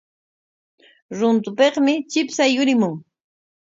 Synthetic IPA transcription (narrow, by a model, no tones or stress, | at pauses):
ɾʊnt̪ʊpeχmɪt͡ʃɪpsajʊɾɪmʊŋ